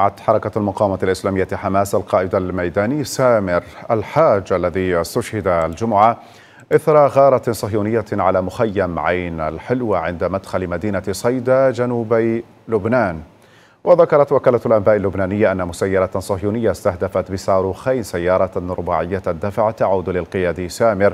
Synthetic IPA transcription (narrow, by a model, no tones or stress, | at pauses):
aʕat̪ħɑɾˤɑkaalmʊqɑːwmaalʔɪslaːmɪjːaħamaːsʔalqɑːʔɪd̪almajd̪aːnɪjːsaːmɪɾʔalħaːd͡ʒʔalːaðiɪst̪ʊʃhɪd̪ald͡ʒʊmʊʕa | ʔɪθɾˤɑɣɑːɾˤɑsˤɑhjuːnɪjːaʕalaːmʊxajːamʕajna̰lħɪlwaʕɪnd̪amad̪xalɪmad̪iːnasˤɑjd̪ad͡ʒanuːb | lʊbnaːn | wʔaðakɑɾˤɑt̪wakaːlat̪alʔambaːʔalːʊbnaːnɪjːaʔanːamʊsajːɑɾˤɑt̪sˤɑhjuːnɪjːast̪ahd̪afat̪bɪsɑːɾˤuːxajnsajːɑːɾˤɑɾʊbaːʕɪjːad̪ːafʕat̪aʕuːd̪lɪlqɨjaːd̪isaːmɪɾ